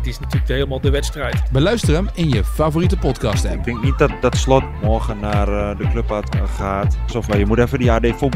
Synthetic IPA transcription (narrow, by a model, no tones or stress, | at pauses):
tɪsnatyːləkeːləmalˠdəʋɛtstrɛjtbəlœɥstərəmɪnjəfavoritəpɔtkɑstɛk̚tɪŋk̚nit̚dɔt̚dɔtslɔtmɔɣənaːrdəkløpatxaːtsofɔjəmutɛfədəaːdeːfolˠb